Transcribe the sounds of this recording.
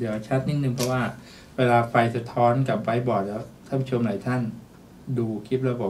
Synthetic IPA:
d̪i˩˦˧t͡ɕʰa˦˥t̪̚ni˧˥t̪̚nɯ˨˩ŋpʰɾɔ˦˥waː˥˩ | weː˧laː˧fa˧jsa˧t̪ʰɔː˦˥nka˨˩p̚fa˧jbɔː˨˩t̪̚lɛː˦˥wt̪ʰa˥˩pʰu˦˥t͡ɕʰo˧mla˨˩˦jt̪ʰa˥˩n | duː˧kʰi˦˥t̪̚ɾa˧˥wbɔː˨˩

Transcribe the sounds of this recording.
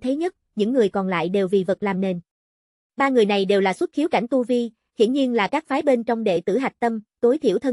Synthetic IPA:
t̪ʰe˨˦ɲə˦˥t̚ɲɨ̰˧˥ŋːɨ˨˩əjkɔ˨˩nla̰ː˧˨jɗe˨˩wvi˨˩və˨˩t̚laː˨˩mne˨˩n | ɓaː˧ŋɨ˨˩əjna˨˩jɗe˨˩wlaː˨˩swə˦˥t̚xi˨˦wka̰˧˩jŋ̟t̪u˧vi˧ | hḭ˧˥ənɲi˧ənlaː˨˩kaː˦˥k̚faː˨˦jɓe˧nt͡ɕɔ˧wŋ͡mɗḛ˧˨t̪ɨ̰˧˩ɦa˨˩k̟̚t̪ə˧mt̪o˨˦jt̪ʰḭ˧˩əwt̪ʰə˧

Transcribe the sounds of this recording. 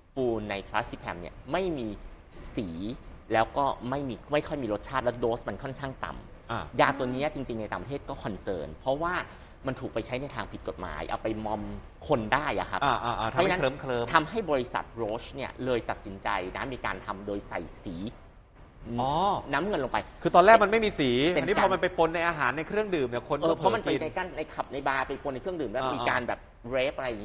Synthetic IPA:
fuː˧nːa˧jt̪ʰɾa˦˥ssi˦˥pʰɛ˧mnḭ˦˥˩ɐma˥˩jmiː˧ | siː˩˦ | lɛː˦˥wkɔː˥˩ma˥˩jmiː˧ma˥˩jkʰɔ˥˩jmiː˧ɾo˦˥t̪̚t͡ɕʰaː˥˩lɛ˦˥doː˦˥sma˧nkʰɔ˥˩nkʰaː˥˩ŋt̪a̰˨˩mʔa˧˩jaː˧t̪o˧niː˦˥ɐt͡ɕi˧ŋt͡ɕi˧ŋna˧jtaː˨˩pɾa˧tʰeː˥˩kɔː˥˩kʰɔ˧nsɤ̰ː˧˥npʰɾɔ˦˥waː˥˩ | ma˧nt̪ʰuː˨˩k̚pa˧jt͡ɕʰa˦˥jna˧jt̪ʰaː˧ŋpʰi˨˩ko˨˩t̪̚ma̰ː˩˦jʔa̰˧wpa˧jmɔ˧m | kʰo˧ndaː˥˩jʔa̰˨˩kʰa˦˥pʔa˧ʔaː˧˦˥a˦˥ɤː˧mkʰlɤː˧mt̪ʰa˧mɦa˥˩jbɔː˧ɾi˧˦˥sa̰˨˩t̪̚ɾoː˦˥t͡ɕʰni˥˩ɐlɤː˧jt̪a˨˩t̪̚si˩˦nt͡ɕa˧jna˦˥miː˧ka̰ː˧nt̪ʰa˧mdoː˧jsa̰˨˩jsiː˩˦˧ | ɔː˧˩na˦˥mŋɤ˧nlo˧ŋpa˧jkʰɯː˧t̪ɔː˧lɛː˥˩k̚ma˧nma˥˩jmiː˧siː˩˦ae˧˨niː˦˧˥ɔː˧ma˧npa˧jpo˧nːa˧jʔaː˧ɦaː˩˦nːa˧jkʰɾɯ˥˩əŋdɯː˨˩mni˥˩kʰo˧nəː˧pʰɔ˦˥˧ma˧npa˧jna˧jkaː˧˩nna˧jkʰa˨˩p̚na˧jbaː˧pa˧jpo˧na˧kʰɾɯ˥˩əŋdɯː˨˩mda˥˩˨miː˧kaː˧nbɛ̰ː˨˩p̚ | ɾeː˦˥p̚ʔa˧ɾa˧jːŋː˦i˥˩

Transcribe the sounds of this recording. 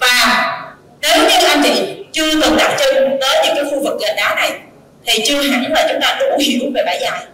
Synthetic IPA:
vaː˨˩ | nɔ˨˦zʊ˨˧˦ɲɨ̰˨˦˥kːʔa˧nt͡ɕḭ˧˨t͡ɕɨ˧ət̪ɨ˨˩ɗ̪a˨˩t̚t͡ɕɨ˧ŋt̪əː˨˦jɲɨ̰˧˥ŋkaː˨˦jxu˧vɨ˨˩k̚ɣə˨˩nɗaː˨˦na˨˩j | t̪ʰi˨˩t͡ɕɨ˧əɦa˨˧˩ŋ˦laː˨˩t͡ɕʊ˨˦ŋ͡mt̪aː˧ɗʊ˧˩˥hi˧˩˦ve˨˩ɓaː˧˩jzaː˨˩j

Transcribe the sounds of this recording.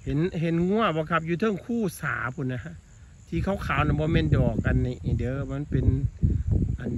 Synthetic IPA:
he˨˦nɦe˨˦nŋu˧˥˨əbɔː˧˦kʰa˦˥p̬̚juː˧t̪ʰɤː˧˥˩ŋkʰuː˧˥˩sa̰ː˨˦pʰu˧˩˨nːa˧ha˧˥ʔ | t̪ʰiː˧kʰa˧˩wkʰaː˨˦wna˧˩bɔː˧˦mɛː˧˥˨ndɔː˨˩k̚ːa˧˨nːi˧˩˨ʔi˨dɤː˧˦ma˧˥˨npe˨n | ʔa˨n

